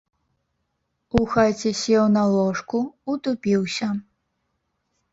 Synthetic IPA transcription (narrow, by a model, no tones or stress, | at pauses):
uxat͡sʲesʲɛwnɐlˠɔʂkuut̪upʲiwsʲɐ